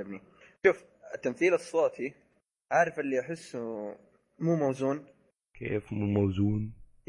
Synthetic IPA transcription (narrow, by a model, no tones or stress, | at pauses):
abni | ʃuːf | ɪt̪ːamθiːlɨsˤːɑːt̪ʰi | ʕaʕɾˤɑfʔɪlːiʔaħɪsː | muːmawzuːn | kʰḛːfmuːmawzuːn